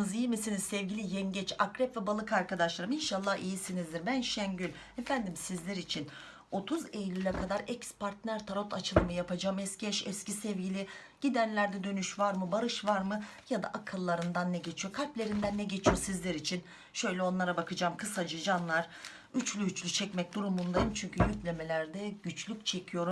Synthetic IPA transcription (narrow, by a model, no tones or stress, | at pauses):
ɯzijimisinizsɛvɟilʲijɛmɟɛt͡ʃakɾɛpvɛbalˠɯkaɾkad̪aʃlˠaɾɯminʃalˠːahijisinizd̪iɾbænʃɛnɟylʲ | efænd̪imsizlʲɛɾit͡ʃʰin | o̞t̪ʰuzejlʲylʲɛkʰad̪aɾɛcspʰaɾt̪næɾt̪ʰaɾo̞t̪ʰat͡ʃʰɯlˠɯmɯjapad͡ʒaːmɛscɛʃɛscisɛvɟilʲi | ɟ̥id̪ænlʲæɾd̪ɛd̪ø̞nyʃvaɾmɯbaɾɯʃvaɾmɯjad̪a̰ʔakʰɯlˠːaɾɯnd̪anːɛɟe̞t͡ʃʰijo̞kʰalʲplʲe̞ɾind̪ænːɛɟe̞t͡ʃʰijo̞sizlʲɛɾit͡ʃʰin | ʃø̞jlʲɛo̞nlˠaɾabakʰɯd͡ʒaːmkʰɯsad͡ʒɯd͡ʒanlˠaɾ̥ | yt͡ʃlʲyyt͡ʃlʲyt͡ʃʰɛcmɛc̚d̪uɾumund̪ajɯmt͡ʃʰyɲcʰyjyclʲemelʲæɾd̪ɛɟyt͡ʃlʲyc̚t͡ʃʰe̞cʰijo̞ɾum